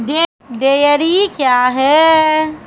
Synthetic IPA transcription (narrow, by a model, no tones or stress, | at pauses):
de | d̪ejəɾikjaːɦɛ